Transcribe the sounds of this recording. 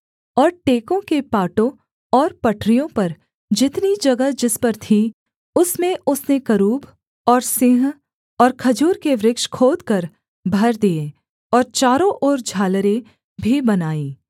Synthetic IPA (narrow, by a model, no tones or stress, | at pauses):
ɔːɾʈeːkõkepaːʈõ | ɔːɾpɐʈʰɾijõpɐɾ | d͡ʒɪt̪nid͡ʒɐɡəd͡ʒɪspɐɾt̪ʰi | ʊsmẽʊsnekɐɾuːb | ɔːɾsɪ̃ɦ | ɔːɾkʰɐd͡ʒuːɾkeʋɾɪkʃkʰoːd̪kɐɾ | bʱɐɾd̪ie | ɔːɾt͡ʃaːɾõʔoːɾd͡ʒʱaːləɾe | bʱibɐnaːiː